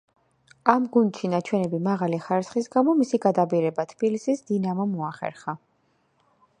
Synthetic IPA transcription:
amɡund̪ʃinat͡ʃʰwɛnɛbimaʁaliχaɾisχisɡamɔmisiɡad̪abiɾɛbat̪ʰb̥ilisisd̪inamɔmɔaχɛ̰ɾχa

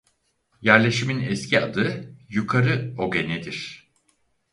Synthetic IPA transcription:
jæɾlʲe̞ʃiminɛscʰiad̪ɯjukʰaɾɯo̞ɡe̞nɛd̪iɾ̥

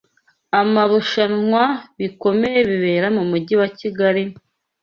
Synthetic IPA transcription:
amaβuʃanŋwaβiko̞me̞je̞βiβe̞ːɾamumuɟiwaciɡaɾi

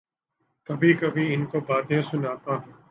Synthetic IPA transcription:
kɐbʱiːkɐbʱiːɪnkobaːt̪ẽːsʊnaːt̪aːɦɛ̃ː

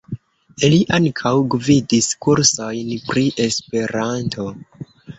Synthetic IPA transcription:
iliʔaŋkʰawɡvidiskuɾsojnpɾiʔe̞spe̞ɾantʰo̞

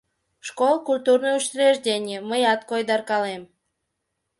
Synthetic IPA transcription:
ʃkolˠkulʲt̪urnojuʃt̪ɾʲeʒdʲenʲɪəməjɑt̪̚kojd̪ɑrkɑlem

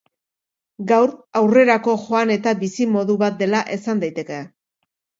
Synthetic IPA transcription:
ɡawɾawre̞ɾako̞ʝo̞ane̞t̪abisimo̞ðuβat̪̚d̪e̞laʔe̞sand̪ajt̪e̞ke̞

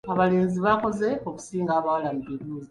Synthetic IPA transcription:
aβale̞ːnziβako̞ze̞o̞ku̥siːŋɡaːβawalamuβiɾuːzi

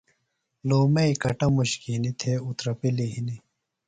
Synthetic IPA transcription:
loːmɐikɐʈɐmuɕkinit̪ʰeut̪ɾɐpiliɦini

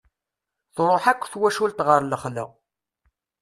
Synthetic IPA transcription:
θɾˤoħækʷːθwæʃult̪ʁəɾləχlə̰

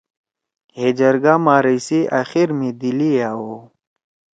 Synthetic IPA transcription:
heːd͡ʑɐɾɡaːmaːɾijsiʔaxiɾmĩd̪iliaːwo

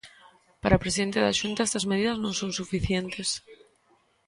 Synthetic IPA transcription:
paɾapɾesiðent̪eða̰ʃunt̪aest̪ɐzmeðiðɐznõŋsõŋsufiθjent̪es

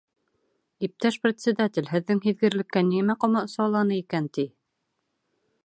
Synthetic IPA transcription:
ip̚t̪æʃprʲɪt̪ʲsʲɘd̪at̪ʲɪ̆lʲɦɘ̆ðːɘŋɦiðɡɘ̆ɾlɘ̆kːænimæqŏmɑŏsɑwlˠɑnɤikænt̪i

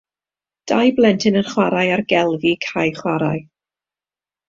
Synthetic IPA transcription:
d̥ajblˠɛntʰɪnənχwaɾajarɡɛlˠvikʰajχwaɾaɨ

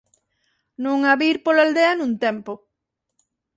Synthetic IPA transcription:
nũŋaβiɾpolald̪eanũnt̪empo

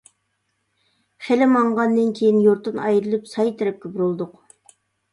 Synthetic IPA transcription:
χelɪmɑɴʁɑnːɨnkʲʰejinjoɾt̪ɨnɑjɾɨlˠɨpsɑjt̪ʰɪɾɪp̚kʲʰybɾulˠd̪ʊq

